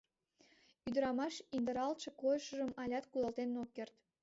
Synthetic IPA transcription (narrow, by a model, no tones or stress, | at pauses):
yd̪əɾɑmɑʃind̪əɾɑlt̪ʃekojəʃəʒəmɑlʲɑt̪kulɑlt̪ennokːert̪